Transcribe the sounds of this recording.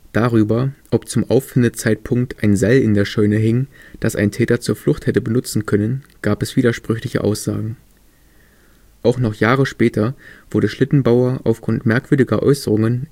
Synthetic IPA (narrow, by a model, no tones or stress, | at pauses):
d̥aʁyːbɐʔɔpt͡sʊmʔaʊfɪndət͡saɪt̚pʰʊŋk̚tʔaɪnzalɪndeːɐʃɔʏnəɦɪŋd̥asa̰ɪntʰɛːtɐt͡suːɐflʊχthɛtəbənʊt͡sn̩kʰœnənɡ̥aːpɛsv̥iːdɐʃpʁ̥ʏçlɪçə̰ʔa̰ʊsz̥a̰ːɡŋ̩ | ʔaʊxnɔχjaːʁəʃpɛːtʰɐv̥ʊɐdəʃlɪtn̩baʊɐʔa̰ʊfɡ̥ʁʊntmɛɐkv̥ʏɐdɪɡɐʔɔ̰ʏsəʁʊŋən